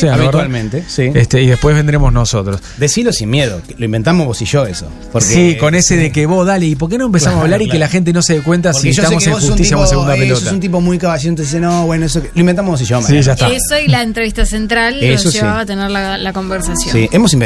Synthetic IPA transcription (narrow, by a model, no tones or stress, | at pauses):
seaaiɾwalmẽnt̪esiest̪eiðepwezβend̪ɾemoznosot̪ɾosd̪esilosinmjeðokeloimbe̞nt̪amoɦβosiʒo̞eso̰ | poɾskeiko̞neseðekeβoðaleip̬oɾk̬enoempesamosaβlaɾikkelaxent̪̬enoseðek̬went̪asoɾieʃot̪amoseŋxut̪issjaunas̬eɣund̪apelosteasunt̪̬ip̬o̞mujkaβaʃiont̪oðisenoːβwenoes̬oloimbent̪amɦβos̬iʒomsiʒat̪aesoilaent̪ɾeβiht̪asent̪ɾalesoiβat̪eneɾlalakombeɾsasjosiemosimb